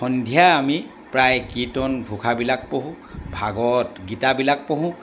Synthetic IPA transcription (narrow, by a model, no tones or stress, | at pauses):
xɔndʱijaːmi | pɹajkitɔnbʱukʰabilak̚poɦũ | bʱaɡɔtɡitabilak̚poɦʊ̃